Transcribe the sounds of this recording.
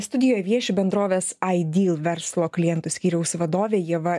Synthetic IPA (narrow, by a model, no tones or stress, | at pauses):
st̪ʊd̪ʲɪjoːjɛʋʲiɛʃʲubʲɛnd̪ɾoːʋʲeːsɐɪd̪ʲiːlˠʋʲɛɾslˠoːklʲɪjɛnt̪ʊsʲkʲiːɾʲɛʊsʋɐd̪oːʋʲeːjiɛʋɐ